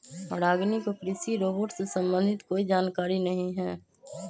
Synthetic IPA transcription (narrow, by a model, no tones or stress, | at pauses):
mɐɽaːɡnikokɾɪsiɾoːboːʈsesə̃mbə̃nd̪ʱɪt̪koːid͡ʒaːnkaːɾinɐɦĩɦɛː